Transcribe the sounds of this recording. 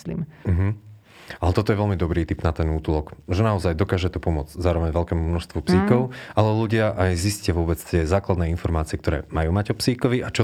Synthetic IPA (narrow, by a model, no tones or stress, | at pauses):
lḭːmm̩ɦm̩ | alɛt̪ɔt̪ɔjɛʋɛlmid̪ɔbɾiːt̪ibnat̪ɛnuːt̪lˠɔkʒɛnaɔzajd̪ɔkaːʒɛt̪ɔpɔmʊɔd͡zzaːɾɔʋɛɲʋɛlkɛːmumnɔʃst̪ʋupsiːkɔʊalɛluɟɪaʔajziscɪaʋʊɔbɛt͡st̪ɪɛzaːklad̪nɛːinfɔɾmaːt͡siɪɛkt̪ɔɾɛ̰ːmajuːmaɟɔpsiːkɔʋiʔat͡ʃɔ